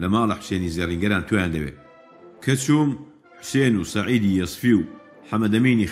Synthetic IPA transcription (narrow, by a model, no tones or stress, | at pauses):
lɐmaːlɐħʊ̥seːniːzeriːŋɡɐɾaːnt̪ʰojaːnd̪ɐbḛː | kʰɐt͡ʃuːm | ħʊ̥seːnuːsɐʕiːd̪iːjɐsˤfiw | ħɐmɐd̪ɐmiːni